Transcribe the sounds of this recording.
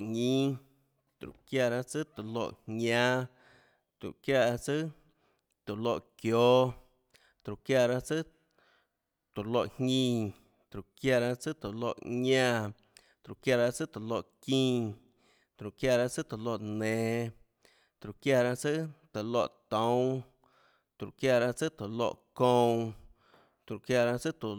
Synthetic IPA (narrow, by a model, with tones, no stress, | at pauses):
ɲĩ˦ | t̪ɾṵ˨ʔkja˧˨ɾa˦t͡sɨ˦t̪o˨lo̰˧ʔhɲã˦ | t̪ɾṵ˨ʔkja˦˧˨a˧t͡sɨ˦ | t̪u˨lo˧ʔkjo˦ | t̪ɾu˨kja˧ɾa˦t͡sɨ˦ | t̪o˨lo˧ʔhɲĩ˧ | t̪ɾu˨kja˧˨ɾa˧t͡sɨ˦t̪o˨lo̰˧ʔɲã˧ | t̪ɾu˨kja˧ɾa˧t͡sɨ˦t̪o˨lo˧˨ʔkĩː˦˧ | t̪ɾu˨kja˧ɾa˧˦t͡sɨ˦t̪o˨lo˧ʔnẽː˨ | t̪ɾu˨kja˧ɾa˧t͡sɨ˦t̪o˨lo˧˨ʔt̪õ˨˦w̃ | t̪ɾu˨kja˧˨ɾa˧t͡sɨ˦t̪o˨lo̰˧˨ʔkõ˦˧ | t̪ɾu˨kja˧ɾa˧t͡sɨ˦t̪u˨